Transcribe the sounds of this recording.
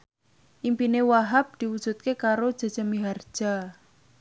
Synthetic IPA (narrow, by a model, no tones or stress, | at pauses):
ʔimpinewaɦap̚d̪̥iwud̥ʒ̥ṳt̪̚kekaɾod̥ʒ̥a̤̥d͡ʒ̥əmiɦard̥ʒ̥a̤